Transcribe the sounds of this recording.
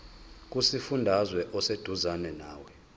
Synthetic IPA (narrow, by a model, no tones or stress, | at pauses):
k̬ʼusifundʱazwɛʔɔsed̥ʱuzanɛnaːwɛ